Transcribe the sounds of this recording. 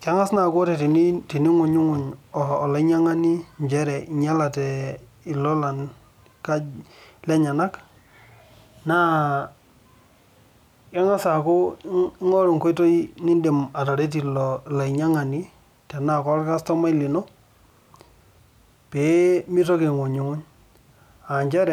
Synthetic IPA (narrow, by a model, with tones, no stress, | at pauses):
ka˦ŋa˦sna˨kɔ˦ɾɛ˨ti˨ni˦ti˨ni˦ŋʊ˨ɲʊ˦ŋʊ˨ɲɔː˨la˨˦ɲa˦ŋa˦ni˦ɲd͡ʒɛ˦ɾɛ˨i˨ɲa˦la˨tɛ˨ | ɪ˨lɔ˦la˨n | ka˦lɛ˦ɲa˨na˦k | na˦ | ka˦ŋa˦sa˨kʊ˦ŋɔ˦ɾʊ˨ŋko˦jto˦i˦nɪ˦nde˨ma˨ta˨ɾe˦t̬i˨lla˨i˨ɲa˦ŋa˨ni˦ | tɛ˨na˦˨kɔ˦ɾka˦stɔ˦ma˦ɪ˦lɪ˨nɔ˦ | pe˨mi˦to˦ke˨ŋo˨ɲʊ˨ŋʊ˦ɲ | a˨ɲd͡ʒɛ˦ɾɛ˨